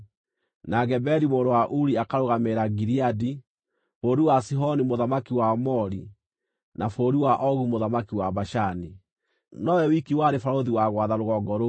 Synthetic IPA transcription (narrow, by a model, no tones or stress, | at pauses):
naɣɛbɛɾimoːdowaʔuɾiakaɾoɣameɾaɡiɾiadi | foːɾiwasiɦɔnimoðamakiwamɔɾi | nafoɾiwaʔɔɣumoðamakiwaβaʃani | nɔwɛwikiwaɾefaɾoðiwaɣwaðaɾoɣɔɡɔɾo